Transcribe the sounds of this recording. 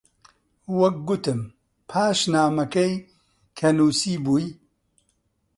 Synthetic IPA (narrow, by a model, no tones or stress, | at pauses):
wɐk̚ɡʊt̪ɨm | pʰaːʃnaːmɐkɐj | kʰɐnuːsiːbuːj